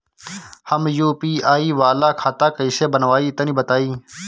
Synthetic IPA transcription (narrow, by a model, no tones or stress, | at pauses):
həmjoːpiːʔaːiːʋaːlaːkʰaːt̪aːkəiseːbənʋaːiːt̪əniːbət̪aːiː